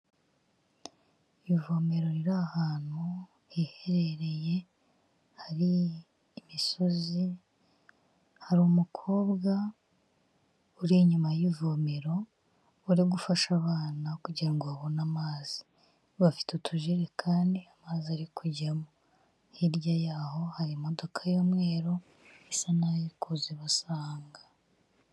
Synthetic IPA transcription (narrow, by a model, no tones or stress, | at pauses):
ivomeɾo̞ɾiɾahaːn̥hu | ihe̞ɾe̞ɾe̞je̞ | haɾiː | miso̞zi | haɾumukʰo̞ːbɡa | uɾiɲumajivome̞ɾo̞ | uɾiɡufaʃaβaːnakuɟiɾaŋɡuaβonamaːz̥i̥ | βafi̥tutʰuʒiɾe̞kʰaːndiamaːziaɾikʰuɟamo | hiɾɟajaːho̞haɾimo̞do̞kʰajomŋe̞ːɾo̞ | esanaikʰuzeβasaːŋɡḁ